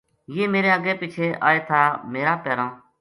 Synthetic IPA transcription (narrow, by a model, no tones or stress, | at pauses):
jeːmeːɾeːəɡeːpiːt͡ʃʰeːʔa̰ːeːt̪ʰaːmeːɾaːpɛːɾãː